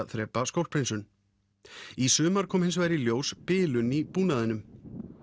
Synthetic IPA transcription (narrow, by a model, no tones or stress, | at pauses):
θɾɛːpːaskowl̚pʰɾejnsʏn | isʏːmaɾ̥kʰɔːmhɪnsvaːjɾɪljoːwspɪːlʏnipuːnaðɪnːʏm